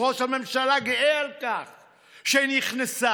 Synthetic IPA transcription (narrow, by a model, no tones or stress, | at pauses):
ʁoʃhame̞mʃalaɡiʔealkaχ | ʃeiniχnesa